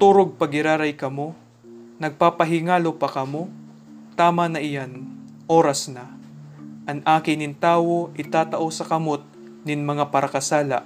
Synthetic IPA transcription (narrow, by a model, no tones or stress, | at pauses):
t̪uːɾoɡ̚pɐɡɪɾaːɾɐjkɐmo̞ | nɐɡ̚paːpɐɦɪŋaːlo̞pɐkɐmo̞ | t̪aːmɐnɐʔɪjan | ʔo̞ːɾɐsnɐ | ʔɐŋʔaːkɪnɪnt̪aːwo̞ʔɪt̪aːt̪ɐʔo̞sɐkɐmo̞t̪̚ | nɪnmɐŋapɐɾɐkɐsaːlɐ̰ʔ